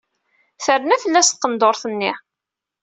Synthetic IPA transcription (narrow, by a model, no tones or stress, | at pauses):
θəɾnæθəlːæst̪̚qənd̪oɾˤθənːi